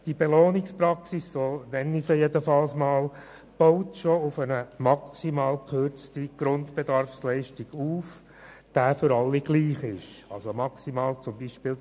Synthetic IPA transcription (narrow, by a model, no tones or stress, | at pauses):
d̥ibeloːnɪkspɾɑksisːoːnɛnːisəjedəfɑlsmɑːl | b̥ɔʊtʃoʊfənəmɑksimɑːlkʰχʏɾt͡stiɡ̥ɾʊntb̥edɑɾfslɛɪʃtiɡ̥uːf | d̥æːfʏɾɑlːiɡ̥liːχɪʃɑlsomɑksimɑːlt͡sʊmbiːʃpɪːl